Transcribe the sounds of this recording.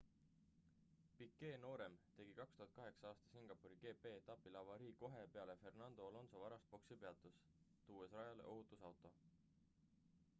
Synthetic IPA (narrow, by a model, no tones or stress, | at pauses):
pikːe̞ːno̞ːɾe̞mt̪e̞ɡ̥ikɑkst̪uɦɑt̪kɑɦe̞ksɑɑːst̪ɑ̥siŋɡ̥ɑpːˑuɾiɡ̥e̞ːpe̞ːt̪ɑpːilɑvɑɾiːko̞ɦe̞pe̞ɑle̞fe̞rnɑnd̪o̞ːlo̞nso̞vɑɾɑst̪̚po̞ksipe̞ɑt̪ːˑus | t̪uːesrɑjɑlḛʔo̞ɦut̪ˑusɑwt̪ˑo̞